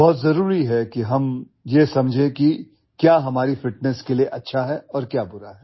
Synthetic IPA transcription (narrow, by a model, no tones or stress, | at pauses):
bɔːt̪zɐɾuːɾiɦɛkiɦɐm | jesɐmd͡ʒʱẽki | kjaːɦɐmaːɾifɪʈ̚nɛskelieʔɐtːʃʰaɦɛɔːɾkjaːbʊɾaɦɛː